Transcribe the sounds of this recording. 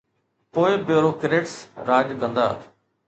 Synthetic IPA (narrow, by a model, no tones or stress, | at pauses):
poːɪbjoːɾoːkɾeːʈsɾaːd͡ʒkə̃nd̪a̰ː